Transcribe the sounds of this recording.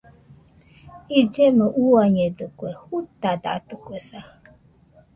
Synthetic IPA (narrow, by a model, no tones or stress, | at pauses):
id͡ʒeməʔuwaɲedɨkʷehutada̰tɨkʷesa